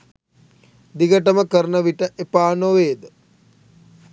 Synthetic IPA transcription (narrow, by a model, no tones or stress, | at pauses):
d̪iɡəʈəməkəɾnəʋiʈəʔepaːnoʋeːd̪ə